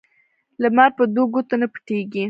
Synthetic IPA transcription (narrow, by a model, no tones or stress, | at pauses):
lamɑɾpəd̪oɡot̪anapə̥ʈeɡi